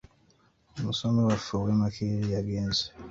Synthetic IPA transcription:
omusomewafuwemakʰiɾijaɡeːnze̥

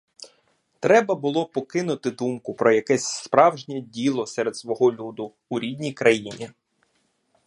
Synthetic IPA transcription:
t̪ɾɛbɐbʊlˠɔpɔkɪnʊt̪ɪd̪umkʊpɾɔjɐkɛsʲspɾɑwʒnʲɛdʲilˠɔsɛɾed̪sʋɔɦɔlʲud̪ʊːɾʲidʲnʲijkɾɐjinʲi

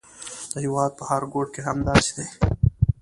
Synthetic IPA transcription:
d̪̥əɦiwɑːd̪̚pɐhaɾɡoːʈkeɦɐmd̪aːsi̥d̪eː

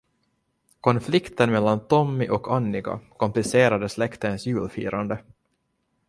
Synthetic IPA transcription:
kʰɔnflɪkt̪ənmɛlːant̪ʰɔmːɪʔɔkanːɪɡa̰kʰɔmplɪseːɾad̪əslɛkt̪ənsjʉːlfḭːɾand̪ə

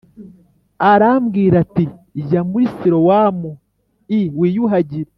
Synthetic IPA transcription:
aɾamɡiːɾatiʒamuɾisiɾowaːmu | iwiːjuɦaɟiɾe

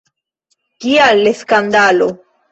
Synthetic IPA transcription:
kialːeskand̪alo

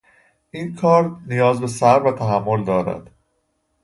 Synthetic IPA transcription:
ʔiːnkʰɒːɾnijɒːzbe̞sæɾvæt̪ʰæɦæmːo̞ld̪ɒːɾæ̰d̪̥

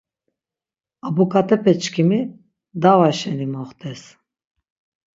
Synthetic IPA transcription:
abɔkʼat̪ʼɛpʰɛt͡ʃkʰimi | d̪avaʃɛnimɔχt̪ʰʼɛs

